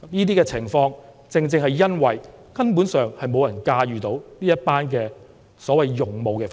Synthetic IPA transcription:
niː˥t̪̬iː˥kɛː˧t͡sʰɪ˨˩ŋfɔː˧ŋ | t͡sɪ˨˧ŋt͡sɪ˧ŋhɐ˨jːɐ˥nwɐ˨j | kɐ˥npuː˨˥nsœː˨ŋhɐ˨jmo˨˧wjɐ˨˩nkaː˧jyː˨t̪o˨˥wniː˥jɐ˥t̚paː˥nkɛː˧ | sɔː˨˥wɐ˨jːʊ˨ŋmo˨wkɛː˧

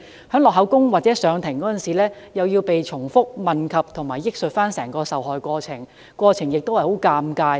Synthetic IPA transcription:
hœː˨˥ŋlɔː˨khɦɐ˨˥wkʊ˥ŋwaː˨˩t̚t͡sɛ˨˥sœː˨˧ŋt̪ʰɪ˨˩ŋkɔː˨˦˥t͡sɐ˨nsiː˨lɛː˥ | jɐ˨wji˧wpe˨jt͡ʃʰʊ˨˩ŋfʊ˥k̚mɐ˨˩nkʰɐ˨p̚t̪ʰʊ˨˩ŋmaː˨˩jːɪ˥k̚sɵ˨t̚faː˥nsɛː˨˩ŋkɔː˧sɐ˨wɦɔː˨jkʷɔː˧t͡sʰɪ˨˩ŋ | kwɔː˧t͡sʰɪ˨˩ŋjɪ˨k̚t̪o˥whɐ˨jho˨˥wkaː˧mkaː˧j

